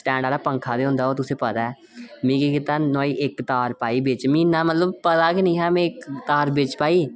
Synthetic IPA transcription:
sʈɛ̃ːɳɖaːɾaːpəŋkʰaːd̪eːʊ̃nd̪aːoːt̪ʊsẽːpət̪aːɛː | mĩːkiːkɪt̪aːnoːiːʔɪkt̪aːɾpaːiːbɪt͡ʃmĩːnãːmət̪ləbpət̪aːkinĩːɦãːmẽːɪkt̪aːɾbɪt͡ʃpaːiː

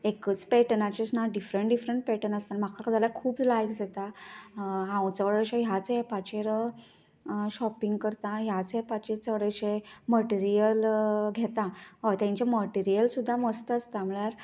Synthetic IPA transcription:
ekət͡spɛʈnat͡ɕesnaɖifɾəɳʈɖifɾəɳʈ̚pɛʈənəst̪anm̤akʰakd͡zalakʰuːpd͡zlajkd͡zʱet̪a | ɦãwt͡saʋəɽəɕeɦjat͡sɦepat͡ɕeɾə | ɕɔpiŋɡkəɾt̪ãɦjat͡sɦepat͡ɕeɾt͡səʋɽəɕeməʈiɾijəlɡʱet̪ãɦot̪jãɲt͡ɕaməʈiɾijəlsud̪ʱːaməst̪at͡st̪ãmɭjaɾ

